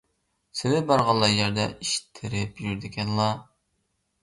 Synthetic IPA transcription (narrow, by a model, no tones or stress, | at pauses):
sɪnɪbɑɾʁɑlˠːɑjɛɾd̪ɛʔiʃi̥t̪ʰːɪɾɪpjyɾd̪ɪkʲɛnlˠɑ